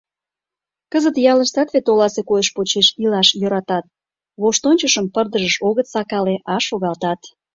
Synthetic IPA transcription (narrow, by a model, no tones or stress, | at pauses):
kəzət̪jɑləʃt̪ɑt̪βet̪olɑsekojəʃpot͡ɕeʃilɑʃjøɾɑt̪ɑt̪̚ | βoʃt̪onʲt͡ɕəʃəmpərd̪əʒəʃoɣət̪sɑkɑleʔɑʃoɣɑlt̪ɑt̪